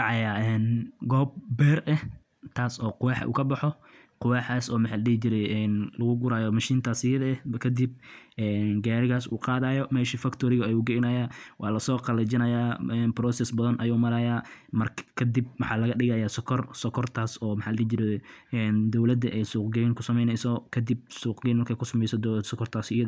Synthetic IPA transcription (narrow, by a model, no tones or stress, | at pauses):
ɑʕɑjaːɛːnɡɔːb̚bɛːrʔɛh | t̪ʰaːsɔːqʊwaːħɐ̰ʔṵːkʰɐbɑħɔ | qʊwaːħaːsɔːmɐħaːlɐɽiht͡ʃɪɾɛjʔɛnlɐɣʊɡʊɾaːjɔmɐʃiːnt̪ʰaːsɪjɐðɐɛkʰɐd̪ib̚ʔɛːnɡaːɾɪɣaːsṵːqɑːðaːjɔmɛːʃiːfɐkt̪ʰɔɾɪɣɐɐjuːɡɛjnɐjaːwʔɑːlɐsɔːqɑlɐd͡ʒɪnɐjaːɛnbɾɔːsɛsbɐðɐnʔɐjuːmɐɾɐːjaːmɐrkʰkʰɐd̪ib̚wɑħɑːlɐɣɐɗɪɣajaːsɔkʰɔrsɔkʰɔrt̪ʰaːsɔːmħaːlɐlid͡ʒɪɾɛɛːnd̪ɔwlɐd̪ɐʔɛjsuːqɡɛjɪŋkʰʊsɐmɛjnɛjsɔkʰɐd̪ɪb̚suːqɡɛnmɐrkʰɛkʰʊsɐmɛjsɔd̪sɔkʰɔrt̪ʰaːsɪjɐ